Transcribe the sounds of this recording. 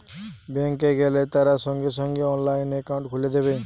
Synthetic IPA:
bẽŋkeɡelet̪aɾasɔŋɡesɔŋɡeɔnlaɪnekawʊ̃ɳʈkʰuled̪ebe

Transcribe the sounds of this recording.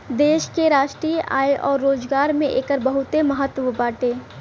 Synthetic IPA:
d̪eːʃkeɾaːʃʈɾiːʔa̰ːeʔɔːɾːoːd͡ʒɡaːɾmẽʔḛːkəɾbəɦʊt̪eməɦət̪ːʋəbaːʈeː

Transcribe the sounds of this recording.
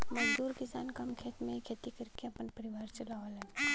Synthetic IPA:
mɐd͡ʒd̪uːɾkɪsaːnkamkʰeːt̪mẽɦikʰet̪ikɐɾkeɐpənpɐɾɪʋaːɾt͡ʃɐlaʋolɦɛ̃ː

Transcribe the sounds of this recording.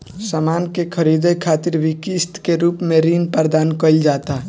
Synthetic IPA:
samaːnkekʰəɾid̪ekʰaːt̪ɪɾbʱikist̪keɾuːpmẽɾinpəɾd̪aːnkəild͡ʒat̪a

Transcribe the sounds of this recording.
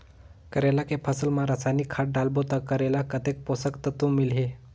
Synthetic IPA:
kəɾelakepʰəsəlmãɾasajnikʰːaʈ̚ɖalbot̪əkəɾelakət̪ek̚posəkt̪ət̪ũmilɦe

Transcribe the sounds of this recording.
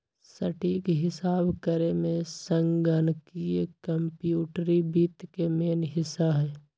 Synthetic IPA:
səʈiːkɦɪsaːbkəɾemẽsə̃ŋɡənkiekəmpjuːʈɾibiːt̪kemeːnɦɪsaɦɛː

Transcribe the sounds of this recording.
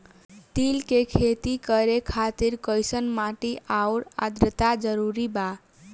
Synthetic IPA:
t̪ilkekʰet̪ikəɾekʰat̪iɾkəjsənmaʈiʔauɾa̰d̪ɾət̪ad͡ʒəɾuɾiba

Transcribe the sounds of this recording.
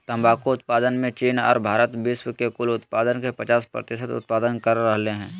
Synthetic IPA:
t̪ɐ̃mbaːkoʊt̪̚paːd̪ənmẽt͡ʃiːnɔ̰ːɾbʱaːɾət̪ʋɪʃwkekʊlʊt̪paːd̪ənkepət͡ʃaːspɾə̰t̪ɪʃət̪ʊ̰t̪̚paːd̪ənkəɾːəɦleɦɛ̃ː

